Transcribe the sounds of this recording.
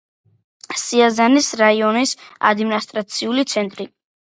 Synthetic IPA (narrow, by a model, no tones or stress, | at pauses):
siazanisɾaiɔnisa̰d̪minast̪ʼɾat̪sʰiulit̪sʰɛnt̪ʼɾi